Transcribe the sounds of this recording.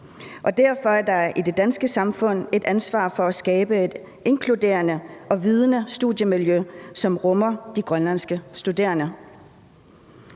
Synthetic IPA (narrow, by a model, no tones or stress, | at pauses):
ʔɒ̽d̥æɐ̰fɒ̽æɐd̥ɑ̈ɐʔid̥e̝d̥ænsɡ̥əsɑ̈mfɔ̽n̰e̝d̥ænsʋɑ̰̈ːfɒ̽æsɡ̥ɛːb̥əe̝d̥ | e̝ŋkʰlud̥e̝̰ːɐnəʔɒ̽ʋiːð̞ˠənəsd̥uðˠjəmiljøsɒ̽mʁɔmɐd̥iɡ̥ʁɶnlæn̰sɡ̥əsd̥ud̥e̝̰ːɐnə